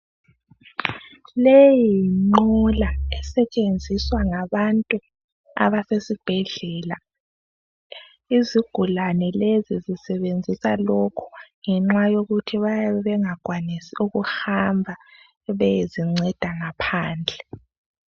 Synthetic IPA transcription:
lejiŋ͡ǃɔlaɛsɛt͡ʃʼend͡zʱiswaŋaβantʼu | a̰βasesib̥ʱɛɮɛːla | iziɡ̥ʱulanɛlezizisɛβend͡zʱisalokʰu̥ŋɛŋ͡ǁwajoɣutʰiβajaβɛβɛŋaɡ̥ʱwanisiuɣuhambʱa | βɛjiziŋ͡ǀɛd̥ʱaŋapʰaːnd͡ɮʱɛ

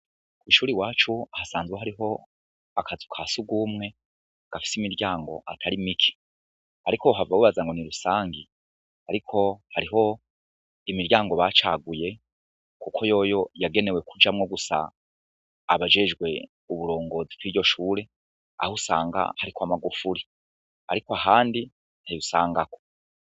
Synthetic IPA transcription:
kwiʃuːɾiwaːt͡ʃuhasaːnzweɦaɾiɦo̞ | akazukʰasubɡuːmŋe̞ | ɡ̥afi̥simiɾɟaːŋɡo̞̰ʔatʰaɾimikʰi̥ | haɾikoɦavawiβazaŋɡo̞niɾusaːŋɡi | haɾikʰo̞haɾiɦo̞ | imiɾɟaːŋɡo̞βat͡ʃaɡuje̞ | kukʰo̞jo̞ːjo̞jaɡe̞ne̞we̞kud͡ʒamŋo̞ɡusa̰ː | βaʒe̞ʒɡwe̞ | uβuɾo̞ːŋɡo̞ːzikɡwiːɾɟo̞ʃuːɾe̞ | a̰husa̰ːŋɡa̰haɾikʰoamaɡufuɾi | aɾikoaɦaːndi | ntajusaːŋɡako

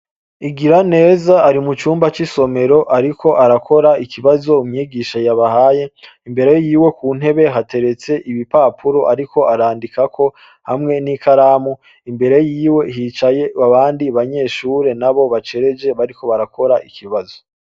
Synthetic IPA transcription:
iɡiɾane̞ːzaːɾimut͡ʃuːmbat͡ʃiso̞me̞ɾo̞ʔaɾikʰo̞ʔaɾakʰo̞ɾaikʰiβazo̞umɲiːɡiʃajaβahaje̞ | imbe̞ɾe̞jiːwe̞kuːn̥e̞βe̞ɦate̞ɾe̞t͡se̞ʔiβipapʰuɾoʔaɾikʰo̞aɾaːndikakʰo̞ | hamŋe̞nikaɾaːmu | imbe̞ɾe̞jiːwe̞ɦiːt͡ʃaje̞aβaːndiβaɲe̞ːʃuːɾe̞naβo̞βat͡ʃe̞ɾe̞d͡ʒe̞βaɾiko̞βaɾakʰo̞ɾaʔikʰiβazo

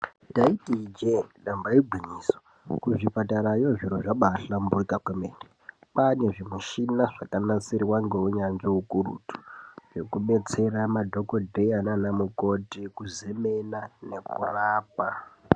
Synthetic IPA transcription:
taitid͡ʒenɗambaiɡʱwiɲiːso̥ | kuʐipataɾajo̞ʐiɾoʐaɓaɬamboikakwemeːne | pane̞ʐimuʃinaʐakanat͡siriwaŋɡe̞uɲanʐiukurṵtu̥ʐe̞kuɓe̞t͡se̞ramadʱo̞ko̞dʱejananamuko̞tikuze̞menane̞kuraːp̚a

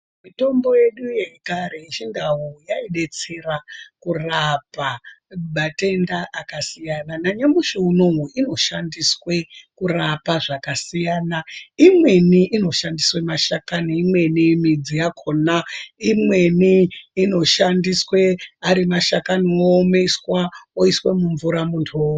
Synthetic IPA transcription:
mito̞mbo̞je̞ɗuje̞kaɾe̞it͡ʃindaɦojaiɗe̞t͡serakurapamatendaʔakasijananaɲamuʃouno̞ɦuʔino̞ʃandiswe̞kurapaʐakasijaːnaimwe̞niʔino̞ʃandiswe̞maʃakaniimwe̞nimid͡zijakʰonaimwe̞niːno̞ʃandiswe̞aɾimaʃakaniomeswaoiswe̞muɱvuɾamuntʰuo

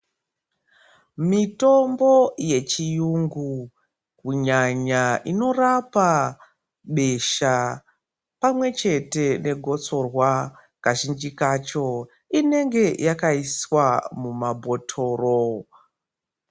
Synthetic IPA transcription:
mito̞mboje̞t͡ʃijuŋɡu | kuɲaɲaino̞rapa | ɓe̞ʃa | pamwe̞t͡ʃe̞te̞ne̞ɡʱo̞t͡so̞rwa | kaʒind͡ʒikat͡ʃo̞ | ine̞ŋɡe̞jakaiswamumabʱo̞tʰo̞ːro

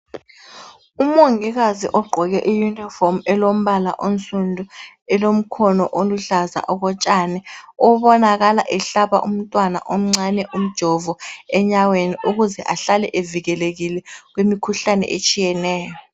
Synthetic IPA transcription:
umɔŋɛɣazḭʔɔɡ͡ǃʱɔɣɛʔijunifɔmɛlom̩βala̰ʔonsʼundʱu | ɛlom̩kʰɔnɔʔoluɬaza̰ʔɔɣɔt͡ʃʼaːnɛɔβɔnaɣala̰ʔɛɬaβa̰ʔum̩tʼwana̰ʔom̩ŋ͡ǀanɛʔum̩d̥ʒ̥ʱɔvɔɛɲaweniʔuɣuzɛʔaɬalɛʔeviɣɛleɣilɛɣ̬wimikʰuɬanɛ̰ʔet͡ʃʼijɛnɛːjɔ

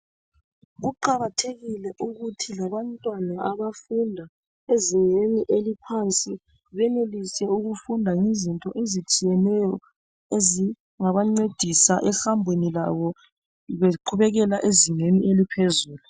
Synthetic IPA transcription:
ɣuǃaɣatʰeɣilɛʔuɣutʰilaβantʼwanaʔaβafundʱa | eziŋeniʔelipʰant͡sʼi | βɛnelisɛuɣufundʱaŋizintʼɔʔezit͡ʃʼijɛnɛjɔ | ezi | ŋaβaŋ͡ǀed̥ʱisaʔɛxambʱwenilaβɔ | βeǃʰuβɛɣɛlaʔeziŋeniʔelipʰezuːlu

